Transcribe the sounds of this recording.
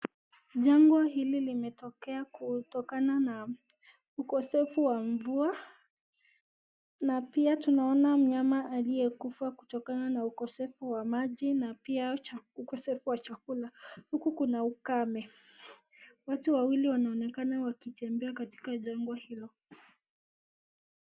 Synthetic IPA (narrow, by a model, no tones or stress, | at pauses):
ʄaŋɡwahililimɛtɔkɛakutɔkanana | ukɔsɛfuwaɱvua | napiatunaɔnam̩ɲamaʔːlijɛkufaku̥tɔkananaukɔsɛfuwamaʄinapiaaukɔsɛfuwat͡ʃakulahukukunaukamɛ | watuwawiliwanaɔnɛkanawakitɛmbɛakati̥kaʄaŋɡwahilɔ